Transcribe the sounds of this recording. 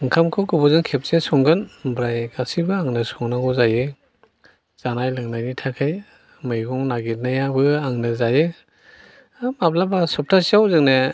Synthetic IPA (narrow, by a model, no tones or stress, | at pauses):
ɯŋkʰamkʰɔɡɔbɔzɯŋkʰep̚sesɔŋɡɯnbɾajɡasibɯaŋnɯsɔŋnaŋɔzajɯ | z̥anajlɯŋnajnitʰakʰaj | mɯjɡɔŋnaɡiɾnajabɯaŋnɯzajɯ | map̚labasɔp̚tʰasiawzɯŋne